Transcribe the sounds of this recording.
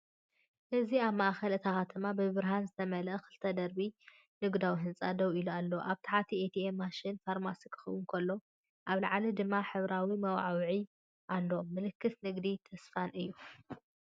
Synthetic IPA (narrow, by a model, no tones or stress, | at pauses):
ʔɨziaβmaʔxɐlɨt̪ʰaxat̪ʰɨmabɨβɨɾɦanzɨt̪ʰɐmɐlɐkɨlt̪ʰɐd̪ɐɾbi | nɨɡd̪awiɦɨnt͡sʼad̪ɐwilualːoʔaβt̪ʰaħat̪ʰiet̪ʰiemːaʃɪnfaɾmasikʰɨ̥xɐwʊnkʰɐlːo̞ | ʔaβlaʕalid̪ɨmːaħɨβɾawimɐwʕawʕi | ʔalːo̞mɨlɨkːɨsnɨɡd̪it̪ʰɐsfanɨjːu